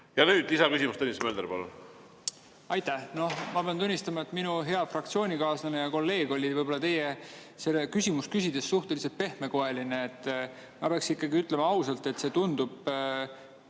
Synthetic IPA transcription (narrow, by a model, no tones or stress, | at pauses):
jɑnyːd̪̥isɑkysimust̪unʲːist̪meld̪eɾpɑlṵn | ɑjt̪æhno̞mɑpe̞ɑnt̪unʲːist̪ɑmɑe̞t̪ːˑminuɦe̞ɑfrɑk̚t̪sio̞ːnʲikɑːslɑnejɑko̞lːe̞ːɡ̥o̞lʲivɤjb̥o̞lːɑt̪e̞jese̞lːekysʲimuskysʲid̪̥e̞sːuht̪e̞lise̞lt̪̚pe̞hme̞ko̞e̞lineːt̪ːˑ | mɑpeɑksikːɑɡiyt̪ˑle̞mɑɑwsɑlt̪e̞t̪se̞ːt̪und̪̥ub̥